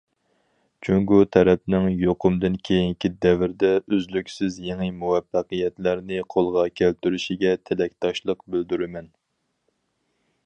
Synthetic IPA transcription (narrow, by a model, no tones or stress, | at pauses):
t͡ʃʰyŋɡut̪ʰɛɾɛp̚nɪŋjoqʰʊmd̪ɨnkʲʰejiŋkʲid̪ɛvɪɾd̪ɛøzlykʲsɪzjeŋɨmuwɛfːæqɨjɛt̪læɾnɪqʰolˠʁɑkʲʰælt̪yɾyʃiɡʲɛt̪ʰelɛk̚ʲt̪ʰɑʃlˠəqbyld̪yɾɪmɛn